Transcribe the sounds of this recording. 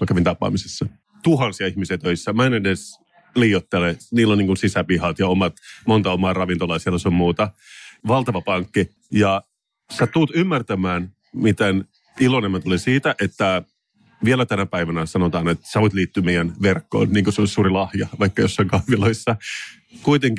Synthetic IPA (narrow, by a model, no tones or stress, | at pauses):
kɑkæʋint̪ɑpːˑɑ̰ːmisesːɑ | t̪uɦɑnsiɑihmisiɑt̪øisːæmɑinedes | liːjot̪ːeleniːlːoniːŋkunsisæpihɑt̪jɑomɑt̪mont̪ɑomɑːrɑʋint̪olɑjɑsielːæseommuːt̪ɑ | ʋɑlt̪ɑʋɑpɑŋkːi | jɑ | set̪ut̪ymːært̪æmæːn | mit̪en | ilonemːæt̪olisiːt̪æʔet̪ːæ | ʋielæt̪ænæpæiʋænæsɑnot̪ɑːnet̪sɑʋot̪liːt̪ːyːmeijænʋerkːo̰ːnniːŋkoseonsuːɾilɑhjɑʋɑijkːɑjosːoŋkɑʋiloisːɑ | kuit̪eŋk